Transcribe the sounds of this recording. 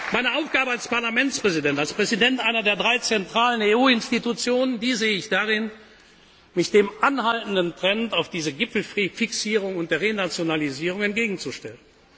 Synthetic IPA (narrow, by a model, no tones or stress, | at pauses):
maɪnəʔaʊfɡ̥aːbəalspaɐlamɛnt͡spʁ̥ɛzidɛntalspʁ̥ɛzidɛntʔaɪnɐdeːɐdʁaɪt͡sɛntʁ̥aːləneːuːɪnstitut͡sjoːnəndiːzeːəɪçd̥aʁɪn | mɪçd̥eːmʔanhaltn̩dəntʁ̥ɛntaʊfd̥iːzəɡɪpp͡fl̩fɪksiːʁ̞ʊŋʊntd̥eːɐʁenat͡sjonaliziːʁ̞ʊŋɛntɡ̥eːɡŋ̩t͡suʃtɛlən